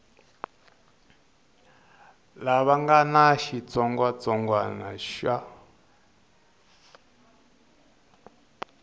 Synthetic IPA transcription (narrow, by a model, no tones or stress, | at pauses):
laβaŋɡanaʃit͡sɔŋɡwat͡sɔŋɡwana̰ʃa